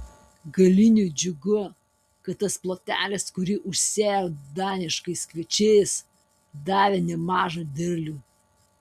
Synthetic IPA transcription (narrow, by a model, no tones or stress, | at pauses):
ɡɐlʲɪnʲuːˑd͡ʒʲʊɡʊ | kɐt̪̚t̪ːɐsplˠoːt̪ʲæ̰ːlʲɪskʊɾʲɪʔʊʃʲsʲeːjoːd̪ɑːnʲɪʃkɐɪskʋʲɛt͡ʃʲeːjs | d̪ɑːʋʲeːnʲɛmɑːʒɐd̪ʲɛɾʲlʲuː